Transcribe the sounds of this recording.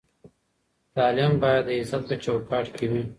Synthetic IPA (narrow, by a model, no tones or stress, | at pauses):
t̪ɑːlimbɑjad̪ːəɪzat̪̚pət͡ʃowʈkɑːʈkʰewi